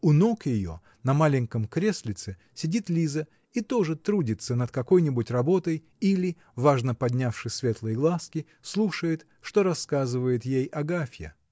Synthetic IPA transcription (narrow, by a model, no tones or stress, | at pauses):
ʊno̞kjɪjo̞̰ | nɐmalʲɪŋʲkəmkɾʲesʲlʲɪt̪sɨ | sʲɪdʲit̪lʲizə | it̪o̞ʐɨt̪ɾudʲɪt̪sənət̪kɐko̞jnʲɪbʊtʲrɐbo̞t̪əj | ilʲɪ | vaʐnəpɐdʲnʲafʂɨsʲsʲvʲe̞t̪lˠəjɡlˠaskʲɪ | slˠuʂəjɪt̪ | ʂt̪o̞ɾɐskazɨvəjɪt̪jejɐɡafʲjə̰